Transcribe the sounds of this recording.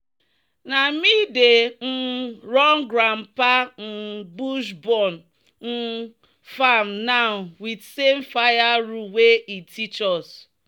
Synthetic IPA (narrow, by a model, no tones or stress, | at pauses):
namiden̩ɾɔŋɡɾam̩pan̩buʃbɔn | n̩ | fam̩naʊnwidsemfajaɾuweʔitit͡ʃɔs